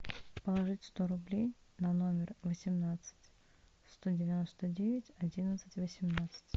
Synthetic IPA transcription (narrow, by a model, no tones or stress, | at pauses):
pəlˠɐʐɨtʲst̪oɾʊblʲejnɐno̞mʲɪrvəsʲɪmnat̪sɨ̥tʲ | st̪o̞dʲɪvʲɪno̞st̪ədʲevʲɪtʲɐdʲinət̪sɨtʲvəsʲɪmnat̪sɨ̥tʲ